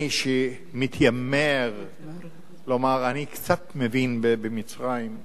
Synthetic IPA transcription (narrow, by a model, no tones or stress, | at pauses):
iʃe | mit̪jameʁ | lomaʁanikt͡sat̪mevinbebemit͡sʁajim